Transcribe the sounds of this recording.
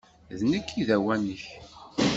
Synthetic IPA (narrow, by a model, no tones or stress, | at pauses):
ðnəkʰːiðæwænəç